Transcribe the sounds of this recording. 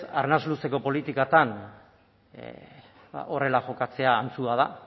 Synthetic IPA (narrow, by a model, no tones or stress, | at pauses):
sa̰rnazluse̞ko̞po̞lit̪ikat̪an | ʔo̞re̞laxo̞kat͡se̞aːnt͡suaða